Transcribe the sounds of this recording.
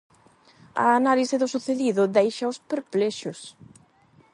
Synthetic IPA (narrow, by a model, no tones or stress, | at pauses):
ɐ̰ːnalisɪðʊsuθeðiðʊðejʃɐʊspeɾplɛʃʊs